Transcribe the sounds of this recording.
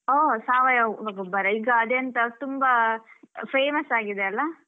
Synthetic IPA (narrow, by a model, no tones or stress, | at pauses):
oːsaːʋɐjɐɐɡɐbɐɾɐiɡɐːd̪eɐnt̪ɐt̪umbɐ | pʰeːmɐsaːɡid̪eɐlːɐ